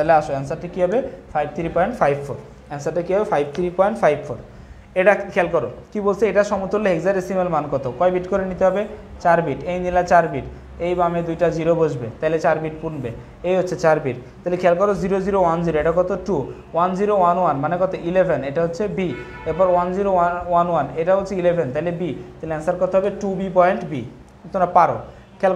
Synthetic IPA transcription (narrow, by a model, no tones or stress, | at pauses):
t̪aɦleaʃoɛnsaɾʈikiɦɔbefʰajb̚t̪ʰiɾipɔjɳʈpʰajbpʰoɾ | ɛnsaʈikiɦɔbefʰajb̚t̪ʰiɾipɔjɳʈpʰajbpʰoɾ | eʈakʰɛlkɔɾokibolsʰeeʈaʃɔmut̪olːeɦekzaɾesimelmankɔt̪okɔjbiʈkɔɾenit̪eɦɔbet͡ɕaɾbiʈejnilat͡ɕaɾbiʈ | ejbamed̪ujʈad͡ʑiɾobod͡ʑbet̪aɦilet͡ɕaɾbiʈ̚punbe | ejɦotːɕʰet͡ɕaɾbiʈt̪aɦilekʰɛlkɔɾoziɾod͡ʑiɾowand͡ʑiɾoeʈakɔt̪oʈu | wand͡ʑiɾowanwanmanekɔt̪oʔilebʱeneʈaɦotːɕʰebi | eɾpɔɾwand͡ʑiɾoawanwaneʈabolt͡ɕʰeilebʱent̪aɦilebit̪aɦileaŋsaɾkɔɾt̪eɦɔbeʈubipɔjɳʈbi | t̪ʰoɾapaɾo̰ | kʰɛl